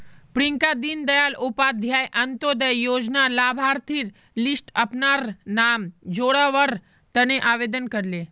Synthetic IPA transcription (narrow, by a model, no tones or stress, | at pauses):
pɾiŋkad̪ind̪əjalupad̪ʱjajʔənt̪od̪əjːoːd͡ʒnalabʱaɾt̪ʰiɾ | lisʈəpnaɾnamd͡ʒoɽaʋəɾ | t̪əneʔaʋed̪ənkəɾle